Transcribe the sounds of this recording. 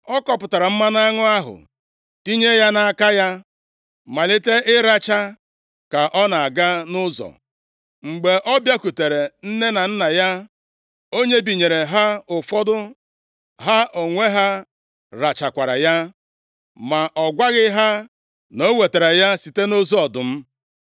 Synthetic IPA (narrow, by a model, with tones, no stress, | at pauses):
ɔ˦kɔ˨pʊ˨ta˨ɾa˨m̩˦ma˦na˦ŋʊ˦a˦ɦʊ̰˨ | ti˦ɲe˦ja˦na˨a˨ka˦ja˦ | ma˨lɪ˦te˦ʔɪ˦ɾa˦t͡ʃa˦ | ka˨ʔɔ˦na˨a˨ɡa˦nʊ˦zɔ̰˨ | ŋ͡m̩˨ɡ͡be˨ʔɔ˦bja˦ku˨te˨ɾe˨n̩˦ne˦na˨n̩˦na˨ja˦ | o˦ɲe˦bi˨ɲe˨ɾe˨ɦa˦ʊ˨fɔ˦dʊ˦ | ɦa˦ʔo˨ŋʷe˦ɦa˦ | ɾa˨t͡ʃa˨kʷa˨ɾa̰˨ja˦ | ma˨ʔɔ˨ɡʷa˦ɣɪ˦ɦa˦ | no˦we˨te˨ɾe˨ja˦si˨te˦no˦zo˦ɔ˨dʊ˨m̩˦